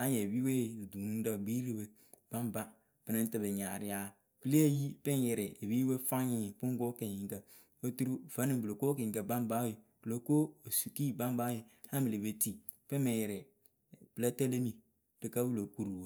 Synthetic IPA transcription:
a˦ɲe˨bi˦we˦˨du˨nu˦da˦˨ɡ͡bi˦ɾi˦we˨ | b̥a˦mba˦ | pɪ˨nɪ˦tɪ˨be˨ɲa˨ɾɪ˦ja˦ | pi˦le˦e˦ji˦pɪ˦njɛ˨ɾɪ˨bi˦we˦fa˦ɲɪ˦˨pʊ˦ŋ˦ɡo˦ke˨ɲi˨ŋkə˨ | o˦tu˦ɾu˦˨fa˦ni˦˨blo˨koː˦kĩ˨ka˨ba˦mba˦e˨ | b̥ɨ˨lo˦ko˦o˨su˨ki˦ba˦m˦ba˦je˨ha˦mi˨le˨be˨ti˦˨ | pɪ˦me˨jɛ˨ɾɛ˨ | pɨ˨la˦te˦le˦ni˨ | d̥ɪ˨ka˦bu˦lo˨ku˦ɾu˨wo˨

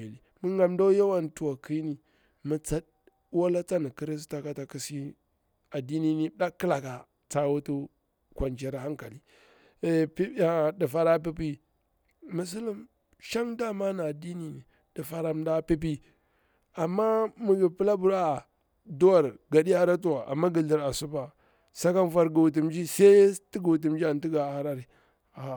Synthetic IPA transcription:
e˨li˨mu˦ŋɡa˨mda˦ja˦wa˦n˨tu˨wa˨ki˦ni˨ | mu˨t͡sa˦d̚ | wa˦la˦t͡sa˦ni˨ki˦ɾi˦s̬ta˨ka˦ta˨ki˨si˦ | a˨di˦ni˦ni˦da˦kə˦la˨ka˨ | t͡sa˦wu˦tu˦ | kʷa˨nd͡ʒe˨ɾa˨ha˦ŋka˨li˨ | pa˨di˨fa˦ɾa˦p̬i˦p̬i˦ | mu˨s̬u˦li˦m | ʃa˦ŋda˦ma˦na˨a˨di˦ni˨ni˨ | di˨fa˨ɾa˨m˦da˦pi˦p̬i˦ | a˨mːa˦mu˨ɡi˨pi˦la˦bu˨ɾa˦˨ | du˦wa˨ɾɡa˨di˦a˦ɾa˦t̬u˦wa˨ʔa̰˨mːa˦ɡi˨ɮi˨ɾa˨su˦ba˨ | sa˦ka˦n˦fa˦ɾɡa˨u˨t̬i˨m˦d͡ʒi˦sa˦ti˦ɡu˨t̬i˨m˦d͡ʒi˦a˨n˨ti˦ɡa˨a˨ɾa˦ɾi˨ | a˨

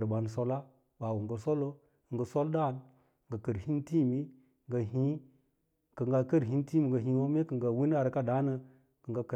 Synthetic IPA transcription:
ɾba˨nso˦la˦ | ba˨wu˨ŋɡə˨so˦lo˦˨ | ŋɡə˨so˦lda˦˨n˨ | ɡə˨kə˨ɾhi˦nti˦˨mi˦˨ | ŋɡa˨ɦĩ˦ | kə˨ŋɡa˦kə˦ɾɦi˦n˦ti˦mi˨ŋɡə˨ɦĩ˨˦wo˦me˦kə˨ŋɡa˨wi˦n˦a˨ɾka˦da˨˦nə˦ | kə˨ŋɡa˦kə˨

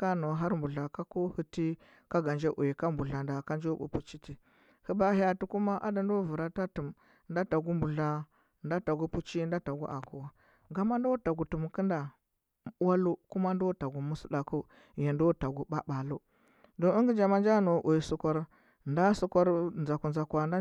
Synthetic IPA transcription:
ka˦no˨ɦa˦ɾmbu˨ɮa˨ka˦ku˦hu˦ti˦ | ka˦ɡa˨nd͡ʒe˦ʔu˨ji˨ka˦mbu˨ɮa˨nda˨ka˦nd͡ʒo˦bṵ˨pu˨t͡ʃi˦ti˨ | hu˦ba˦ha˦tu˦ku˦ma˦ʔa̰˦da˨ndo˦vu˨ɾa˦ta˦tu˨m | nda˦ta˨ɡu˦mbu˨ɮa˦ | nda˦ta˨ɡu˦pu˦t͡ʃi˦n˦da˦ta˨ɡṵ˦ʔa˨ku˨wa˨ | ɡa˨ma˦ndo˦ta˨ɡu˨tu˨m˨kə˦nda˨˦ | a˦lu˦ku˦ma˦ndo˦ta˨ɡu˨mu˦su˦la˨ku˦ | je˨ndo˦ta˨ɡu˨ba˦ɓa˨lu˦ | do˨i˦ŋɡi˦d͡ʒa˨ma˦nd͡ʒa˦no˨ʔu˨ji˨su˨kʷa˦ɾ | nda˦su˦kʷa˦ɾnza˨ku˨nza˨kwa˨na˦

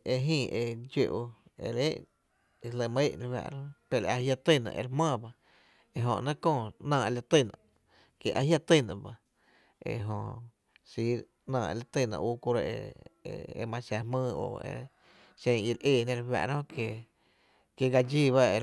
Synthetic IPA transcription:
e˧ɦĩː˦˧˨ʔe˧d͡ʒe˧ʔo˧ḛ˧ɾe˦ʔ | e˧lə˧˨m˧e˦ʔɾe˧hwa̰˧ʔɾõ˦pe˧˨ɾa˧hja˧t̪ɨ˦˧˨nã̰˧ʔe˧ɾhmãː˦˧˨ba˧ | e˧ɦõ˧ʔnã˦kõː˦˧˨nãː˧˨e˧la˧t̪i˧˨nã˧˨ | ke˨ʔa˧hja˦t̪i˧˨nã̰˨ba˧ | ḛ˧˨ɦõ˧ | si˧˦ | nãː˧˨ḛ˧la˧t̪ɨ˧˨nã̰˧ʔuː˦ku˧ɾa˧ḛ˧ | ḛ˧mã˧ʃa˧hmɨ̃ː˧o̰˨ḛ˧ | ʃẽ˧ŋi˧ɾʔeː˧˨nẽ˧ɾwa̰˧ʔɾõ˦ke˧ | ke˧ɡa˧d͡ʒiː˧˨βa˦e˧

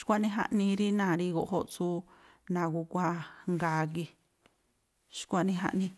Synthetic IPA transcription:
ʃkʷa˦nĩ˦ɦa̰˧ʔnĩ˧ɾi˦nã˨ɾi˧ɣo˨ʔɦo˦ʔt͡su˦ | nã˨ku˧kʷa˧ŋɡaː˧˦k̬i˧ | ʃi̥˧˦kʷa˧nĩ˧ɦa̰˧ʔnĩ˧

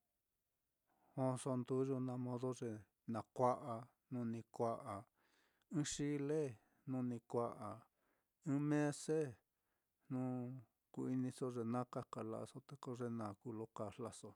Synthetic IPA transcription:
õ˧so˧nd̪u˦ʒo˧nã˧mõ˧ðo˦ʐe˧ | nã˨˧kʷa˦ʔa˧ | nũ˧nĩ˧kʷa˧ʔa˨ | ɨ̃˦ʂi˦le˦ | nũ˧˦nĩ˧kʷa˧ʔa˨ | ɨ̃˦mẽ˦se˦ | nũ˦ | ku˧i˧nĩ˧so˦ʐe˧nã˦ka˦ka˨la̰˧ʔa̰˧so˧t̪e˧ko˧ʐe˧nã˨ku˧˦lo˧ka˧˨fla˧so˧

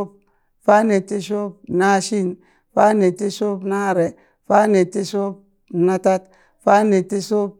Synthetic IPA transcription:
p̚ | fa˦ne˨ti˦ʃ̬o˦pna˦ʃi˦n | fa˦ne˨ti˦so˦pna˦˨ɾe˨ | fa˦ne˨ti˦so˦p̚ | na˦ta˦t | fa˦ne˨ti˦so˦p̚

